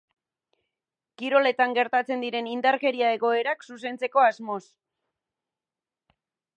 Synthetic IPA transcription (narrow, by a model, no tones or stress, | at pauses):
kiɾo̞le̞t̪aŋɡe̞ɾt̪at͡se̞nd̪iɾe̞nind̪aɾke̞ɾiae̞ɣo̞e̞ɾaksus̬e̞nt͡se̞ko̞azmo̞s